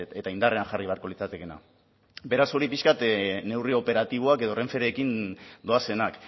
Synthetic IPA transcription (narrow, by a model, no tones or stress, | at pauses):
e̞t̪aind̪areaŋʝariβeaɾko̞lit͡sat̪e̞ke̞na̰ | be̞ɾaso̞ɾipiʃkat̪ne̞wrio̞pe̞ɾat̪iβoake̞ð̞o̞re̞ɱfe̞ɾe̞ːkind̪o̞ase̞nak